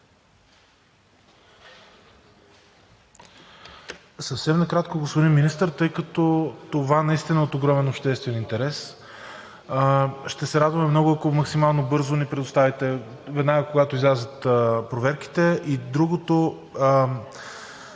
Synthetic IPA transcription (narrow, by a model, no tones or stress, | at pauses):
səfsɛmnɐkɾat̪koɡosvod̪imminist̪əɾt̪ɤjkɐt̪ɔt̪ovanɐist̪inəot̪oɡɾɔmɛnopʃt̪ɛst̪vɛnint̪ɛɾɛs | ʃt̪ɛsɛɾad̪vɐmɛmnɔɡʊɐkomɐksimalˠnobɤɾzonɛpɾɛd̪ʊst̪avʲit̪ɛ | vɛd̪naɡəkoɡat̪oizlʲazət̪pɾovɛɾk̟i̥t̪ɛʔid̪ɾuɡot̪o